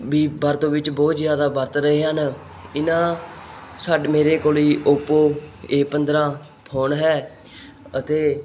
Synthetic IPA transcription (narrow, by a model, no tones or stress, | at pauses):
ʋiːbəɾt̪õːʋɪt͡ʃbɔːt̪zjaːd̪aːbəɾt̪ɾəɦeːɦən | ɪnãː | saːɖmeːɾeːkoːliːʔʊpoːeːpənd̪ɾãː | pʰoːɳɦɛː | ət̪eː